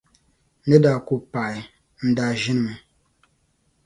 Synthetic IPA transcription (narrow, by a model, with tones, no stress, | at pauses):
nə˦da˨ku˨pa˨j | n̩˨da˨ʒi˦n˨mɨ˨